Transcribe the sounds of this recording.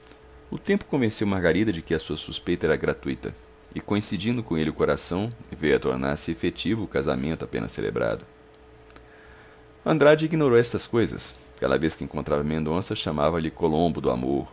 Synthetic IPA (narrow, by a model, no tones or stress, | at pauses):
ʊt̪ẽmpʊ̥kõvẽsewmaɾɡaɾid̪ɐd͡ʒɪkɪɐsuɐsuspejt̪ɐɛɾɐɡɾat̪ujt̪ɐ̰ | ɪkõĩsid͡ʒĩnd̪ʊkõelɪʊkoɾasɐ̃w̃ɪvejɐt̪o̰ɾna̰ɾsɪefet͡ʃivʊːkaza̰mẽnt̪ʊapḛ̃nʔɐ̰sḛlʔḛbɾa̰d̪ʊ | ɐ̃nd̪ɾad͡ʒɪiɡinoɾowɛst̪ɐskojzɐ̰s | ka̰d̪ɐ̰veskɪẽŋkõnt̪ɾavɐmẽnd̪õsɐʃãmavɐʎɪkolõmbʊd̪ʊa̰moɾ